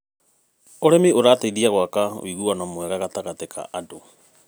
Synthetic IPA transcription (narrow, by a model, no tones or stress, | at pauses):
oɾɛmioɾaːtaiðiaɣwakaw̰iɣuanamwɛɣaɣataɣatekʰa̰ʔado